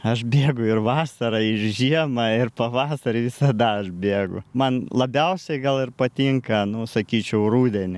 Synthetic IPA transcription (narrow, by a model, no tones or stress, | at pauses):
ɐʃbʲeːɡʊɪrʋɑːsɐɾɐɪʃʒʲiɛmɐɪrpɐʋɑːsɐɾʲɪʋʲɪsɐd̪ɐɐʃbʲeːɡʊ̰mɐnlˠɐbʲɛʊsʲɛɪɡɐlˠɪrpɐt̪ʲɪŋkɐnʊsɐkʲiːt͡ʃʲɛʊruːd̪ʲɛnʲɪ